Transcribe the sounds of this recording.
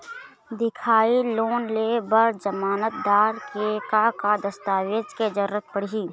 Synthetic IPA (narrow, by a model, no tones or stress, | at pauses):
d̪ɪkʰaːiloːnleːbəɾd͡ʒəmaːnət̪̚d̪aːɾkekakad̪əst̪aːʋeːd͡ʒked͡ʒəɾʊɾət̪̚pəɽiː